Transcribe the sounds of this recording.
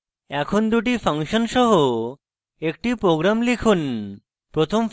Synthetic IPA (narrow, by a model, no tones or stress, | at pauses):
ɛkʰond̪uʈ̬ipʰaŋʃɔnʃɔɦo | ek̚ʈipɾoɡɾamlikʰun | pɾot̪ʰom